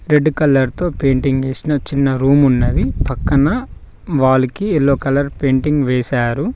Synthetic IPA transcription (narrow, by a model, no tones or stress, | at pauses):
ɾe̞ɖːkɐlːɐɾt̪o̞ːpe̞ːɳʈiŋɡʋeːsinɐt͡ʃinːɐɾuːmunːɐd̪ipɐkːɐnɐ | ʋaːlɐkiɛlːoːkɐlɐɾpe̞ːɳʈiŋɡʋɛːsaːɾu